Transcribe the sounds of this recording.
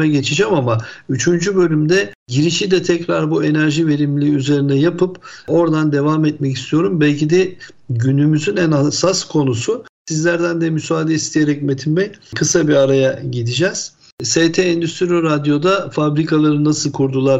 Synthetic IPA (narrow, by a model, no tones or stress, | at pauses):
ɛɟe̞t͡ʃʰid͡ʒɛmamayt͡ʃʰynd͡ʒybø̞lʲymd̪ɛɟiɾiʃid̪ɛt̪ʰɛcɾaɾbue̞næɾʒive̞ɾimlʲiːyze̞ɾinɛjapʰɯpo̞ɾd̪and̪e̞vamɛt̪mɛcist̪ʰijo̞ɾumbɛlʲcid̪ɛ | ɟynymyzynænasaskʰo̞nususizlʲæɾd̪ænd̪ɛmysaːd̪ɛist̪ʰijeɾɛcme̞t̪ʰimbɛkʰɯsabiɾaɾajaɟid̪id͡ʒɛz̥ | seːt̪ʰeɛnd̪yst̪ʰɾiɾad̪jo̞d̪afabɾikʰalˠaɾɯnasɯlˠkʰuɾd̪ulˠaɾ